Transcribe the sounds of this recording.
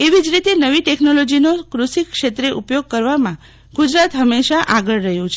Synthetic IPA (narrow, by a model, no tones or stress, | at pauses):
eʋid͡ʒɾit̪enəʋiʈeknolod͡ʒinokɾusikʃet̪ɾeʔupjoɡ̚kəɾʋamã | ɡ̥ud͡ʒɾat̪ɦəmːeʃaʔaɡəɭːəɦjũt͡ʃʰe